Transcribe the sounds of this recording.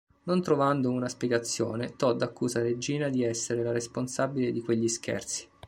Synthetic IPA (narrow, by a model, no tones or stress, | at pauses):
nont̪ɾovand̪ounaspjɛɡat̪sːjoːnet̪ɔd̪akːuːzaɾed͡ʒiːnad̪iɛsːeɾelaɾesponsabiled̪ikweʎːiskʰɛ̰rt̪si̥